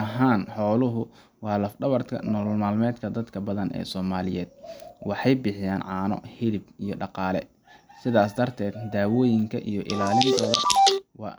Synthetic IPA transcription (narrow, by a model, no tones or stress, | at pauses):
ɐɦaːnħɔːlʊɦʊ | wɑːlɐfɖɐβɐrt̪kʰɐ̰nɔːllmaːlmɛːd̪kʰɐd̪ɐd̪kʰɐbɐðɐnɛ̰ːsɔːmaːlɪjɛːd̪̚wɑħɑjbɪħɪjaːnʕɑːnɔ̰hɪlɪbijɞɖɑqɑːlɛ̰ | sɪðaːsd̪ɐrt̪ʰɛːd̪d̪aːwɔːjɪŋkʰɐʔijɔʔɪ̰laːlɪnt̪ʰɔːðɐwɑ̰ː